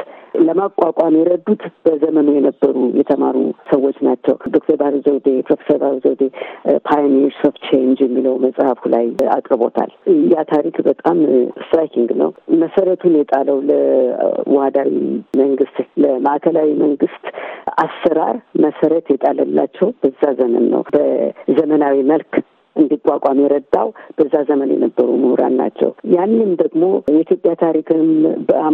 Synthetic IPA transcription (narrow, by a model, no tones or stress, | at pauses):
ləmakʼakʷʼamjɛɾəd̪ut̪b̥əzəmənojɛnəbːəɾujɛt̪ʰəmaɾṵsəwo̞t͡ʃːnat͡ʃːɛ̰wd̪o̞k̚t̪ʰəɾbahlzəwd̪epʰɾofesəɾbahɾzəwd̪epʰajnɛɾsoft̪t͡ʃʰend͡ʒjɛmːiləwməsʼhafulaja̰kʼɾɨbo̞̰t̪ʰa̰lɨjːat̪ʰaɾikbət̪ʼamɨst̪ɾajkʰiŋɡnə̰wməsəɾət̪ʰunjɛt̪ʼaləwləwɔhad̪awḭməŋɡɨst̪ləmaʔkʰəlawiməŋɡɨst̪asːəɾa̰ɾməsəɾət̪jɛt̪ʼaləlːa̰t͡ʃːɛwb̥əzːazəmə̰nːə̰wb̥əzəmənawiməlk | ʔɨnd̪ikʼːakʷʼamjɛɾəd̪a̰wb̥əzːazəmənjɛ̰nəbːəɾumɨhɾa̰nna̰t͡ʃːɛ̰wjanːɨmd̪əɡmo̞jɛit̪ʰjo̞pʼjat̪ʰaɾikʰɨmbə